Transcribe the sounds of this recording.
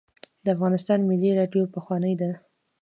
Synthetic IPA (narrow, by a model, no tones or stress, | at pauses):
d̪əafɣɑnɪst̪ɑnmɪlːiɾɑɖjopəxwɑnəjd̪a